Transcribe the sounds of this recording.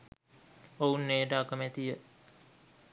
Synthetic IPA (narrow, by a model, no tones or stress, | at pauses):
ounːeːɖaːkəmɛt̪ijə